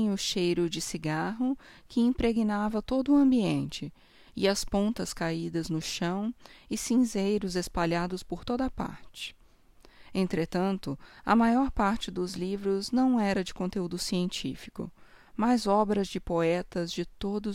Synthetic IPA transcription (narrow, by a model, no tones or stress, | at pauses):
ʊʃejɾʊd͡ʒɪsiɡaɦʊ | kʰɪĩpɾeɡinavɐt̪od̪ʊːɐ̃mbiẽnt͡ʃɪ | ɪ̰ɐspõnt̪ɐskaid̪ɐznʊʃɐ̃w̃ɪsĩzejɾʊzespaʎad̪ʊspoɾt̪od̪ɐpa̰ɾt͡ʃɪ̥ | ẽnt̪ɾet̪ɐ̃nt̪ʊɐ̰majɔɾpaɾt͡ʃɪd̪ʊzlivɾʊznɐ̃w̃ɛɾɐd͡ʒɪkõnt̪eud̪ʊsiẽnt͡ʃḭfi̥kʊ̰majzɔbɾɐzd͡ʒɪpoɛt̪ɐzd͡ʒɪt̪od̪ʊ